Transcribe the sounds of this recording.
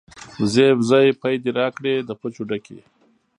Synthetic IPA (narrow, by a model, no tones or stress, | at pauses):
zebzajpajd̪iɾaːkɽed̪əpot͡ʃuɖakḛ